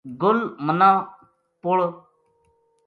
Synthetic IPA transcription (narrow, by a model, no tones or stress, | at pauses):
ɡʊlmənãː | pʊɭ